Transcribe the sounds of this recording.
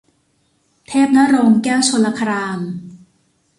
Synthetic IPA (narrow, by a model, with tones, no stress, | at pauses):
t̪ʰeː˥˩p̚na˦˥ɾoː˧ŋkɛː˥˩wt͡ɕʰo˧la˧kʰa˧ɾaː˧m